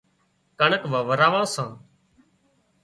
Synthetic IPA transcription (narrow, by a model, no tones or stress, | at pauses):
kəɳəkʋãːʋəɾaːʋãːsãː